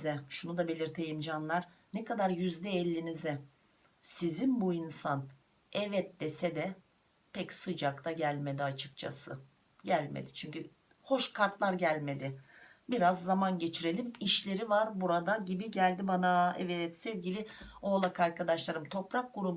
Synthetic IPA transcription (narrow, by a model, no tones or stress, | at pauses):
zɛʃunud̪abe̞lʲiɾt̪ʰe̞jimd͡ʒanlˠaɾ̥ | nekad̪aɾjyzd̪ɛːlʲːinizɛ | sizinbuinsan | ɛvɛt̪̚d̪esɛd̪ɛ | pʰɛcsɯd͡ʒakt̪ʰaɟælʲme̞d̪iat͡ʃʰɯ̥kt͡ʃʰa̰sɯ | ɟælʲmḛd̪ɪt͡ʃʰyɲcy | ho̞ʃkʰaɾt̪lˠaɾɟælʲme̞d̪ɪbiɾazːamanɟe̞t͡ʃʰiɾe̞lʲimiʃlʲe̞ɾivaɾbuɾad̪aɟibiɟælʲd̪ibanaɛvɛt̪sɛvɟilʲɪoːlˠakʰaɾkʰad̪aʃlˠaɾɯmt̪ʰo̞pɾak̚ɡuɾub